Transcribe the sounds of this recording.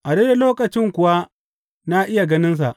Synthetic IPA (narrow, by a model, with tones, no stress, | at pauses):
ʔa˨de˦da˨loː˦kʼɐ˨t͡ʃɪ˦ŋkʷʊ˨wa˦ | na˦ʔɪ˦ja˨ɡɐ˦nɪ˦ns̬a̰˨ʔ